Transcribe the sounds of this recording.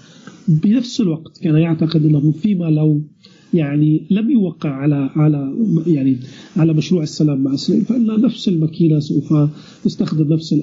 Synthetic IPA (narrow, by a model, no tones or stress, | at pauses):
bɪnafsɪlwaqt̪kaːnajaʕt̪aqɪd̪ʔɪnːahʊfiːmalaw | jaʕnilamjʊwaqːɪʕʕalaʕalajaʕniʕalamaʃɾuːʕɪsːalaːmːaʕasaa̰faʔɪnːanafsɪlmakiːnasawfa | t̪ɪst̪axd̪ɪmnafsɪlʔ